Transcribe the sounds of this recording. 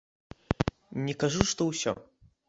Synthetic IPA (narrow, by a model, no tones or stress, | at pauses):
nʲɛkaʐuʂt̪ɔwsʲɔ̰